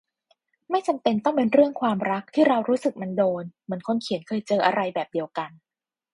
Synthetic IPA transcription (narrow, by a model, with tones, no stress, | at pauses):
ma˥˩jt͡ɕa˧mpe˧nt̪ɔ˥˩ŋpe˧nɾɯ˥˩əŋkʰwaː˧mɾa˦˥k̚t̪ʰiː˥˩ɾa˧wɾuː˦˥sɯ˨˩k̚ma˧ndoː˧nmɯ˩˦ənkʰo˧nkʰi˨˩˦nkʰɤː˧jt͡ɕɤː˧ʔa˧ɾa˧jbɛː˨˩p̚di˧əwka˧n